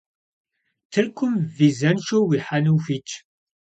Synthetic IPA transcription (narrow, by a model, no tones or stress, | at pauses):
θəɾkʷʊmvizænʃuwiħanufit͡ʃː